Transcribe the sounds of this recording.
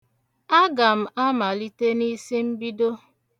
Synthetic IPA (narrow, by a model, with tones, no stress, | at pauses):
a˦ɡa˨m̩˦ʔa˦ma˨li˦te˦ni˦si˦m̩˦bi˦do˦